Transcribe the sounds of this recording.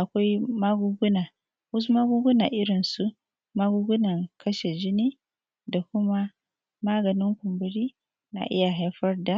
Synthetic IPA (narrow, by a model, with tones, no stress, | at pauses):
ʔa˨kʷa˦jmaː˦ɡu˦ɡʊ˦naː˨ | wʊ˦s̬u˦ma˦ɡʊ˦ɡʊ˦na̰˨ʔɪ˦ɾɪ˨nsu˦ | maː˦ɡu˦ɡʊ˦nɐ˨ŋkʰɐ˦ʃe˨d͡ʒɪ˦niː˦ | da˨kʷʊ˦ma˦ | maː˦ɡɐ˨nɪ˦ŋkʷʊ˨mbʊ˨ɾiː˦ | na̰˨ʔɪ̰˦ja˨ɦa˦jɸɐ˦rda˨